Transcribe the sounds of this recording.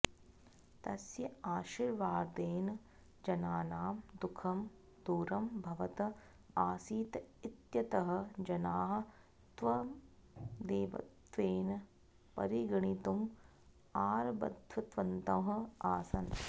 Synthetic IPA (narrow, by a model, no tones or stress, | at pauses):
t̪ɐsjɐaːʃiɾʋaːɾd̪eːnɐ | d͡ʒɐnaːnaːmd̪ukʰɐm | d̪̥uːɾɐmbʱɐʋɐt̪ɐ | aːsiːt̪it̪jɐt̪ɐɦɐ̆d͡ʒɐnaːɦɐ̆ | t̪ʋɐ | d̪eːʋɐ̰t̪ʋeːnɐ | pɐ̰ɾiɡɐɳit̪um | aːɾbɐ̰d̪ʱʋɐt̪ʋɐnt̪ɐːɦɐ̆aːsɐn